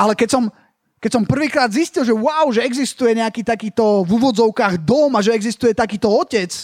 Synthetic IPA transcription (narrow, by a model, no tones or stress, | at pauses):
ʔalɛkɛcsɔm | kɛc̚sɔmpr̩ʋiːkɾaːd̪ziscilʒɛwaʊʒɛɛɡzist̪ujɛɲɛakiːt̪akiːt̪ɔvuʋɔd͡zɔʊkaːɣd̪ɔmaʒɛɛɡzist̪ujɛt̪akiːt̪ɔɔcɛt͡s